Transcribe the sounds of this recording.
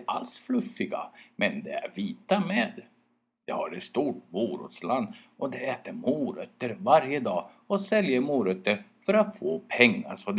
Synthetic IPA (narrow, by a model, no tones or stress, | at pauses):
ʔa̰lsflɵfːɪɡa̰mɛnd̪ɛæ̰ɾviːt̪ameːd̪ | d̪̥ɛhaɾɛt̪st̪uːʈ̚buːɾʊ̰t̪sland̪ʔɔd̪ɛɛːt̪əɾmuːɾœt̪ːəɾvaɾjəd̪ɑː | ɔsɛljəɾmuːɾœt̪ːəɾfœɾat̪foːpʰɛŋːaʂɔd̪